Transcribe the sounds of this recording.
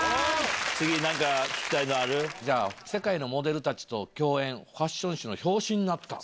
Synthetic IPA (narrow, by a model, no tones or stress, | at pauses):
at͡sɨɡʲinãŋkakʲi̥kʲi̥t̪ainoaɾɯ̟d͡ʑaːse̞kaino̞mo̞d̪e̞ɾɯ̟t̪at͡ɕi̥t̪o̞kʲo̞ːẽ̞ɰ̃ɸaɕːõ̞ɰ̃ɕɨno̞ço̞ːɕĩɲ̟ːinat̪ːa̰